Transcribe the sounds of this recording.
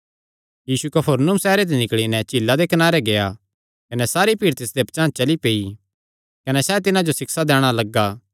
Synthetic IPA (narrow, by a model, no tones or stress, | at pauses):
jiːsukɐpʰəɾnʊmsɛːɾet̪̬enɪkɭinɛt͡ʃiːlːad̪ekɐnaːɾeɡeja | kɐnɛsaːɾipiːɾt̪ɪsd̪ept͡ʃãːt͡ʃɐlipeːi | kɐnɛsɛt̪ɪnãd͡ʒosɪksad̪ɛːɽ̃alɐɡːaː